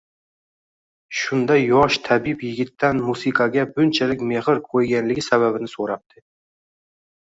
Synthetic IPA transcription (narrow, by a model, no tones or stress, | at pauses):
ʃʊnd̪ajːɒʃt̪ʰabipjɪɡʲɪt̪ːanmusiqʰɑɡʲabʊnt͡ʃʰalɪk̚ʲme̞hɪɾkʰojɡʲanlɪɡʲɪsaβabɪnɪsoɾap̚t̪ʰɪ